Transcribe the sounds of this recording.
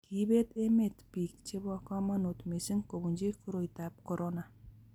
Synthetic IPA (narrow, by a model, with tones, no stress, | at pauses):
ki˨˦be˦t̪e˦me˨t̪pi˨k̚t͡ʃe˦bɔ˦kɔ˦ma˦nu˨t̪me˨si˦ŋko˨bu˨nd͡ʒe˦kuɾo˨jt̪a˨p̚ko˨ɾo˦na˨